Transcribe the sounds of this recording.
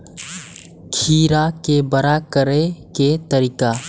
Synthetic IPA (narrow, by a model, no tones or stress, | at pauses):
kʰiːɾakebəɾakəɾeket̪əɾiːka